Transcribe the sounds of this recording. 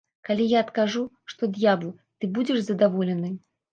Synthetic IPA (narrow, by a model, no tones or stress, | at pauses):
kalʲijaɐt̪kaʐu | ʂt̪ɔd̪ʲjablˠ | t̪ɨbud͡zʲɛʂzɐd̪avɔlʲɛnɨ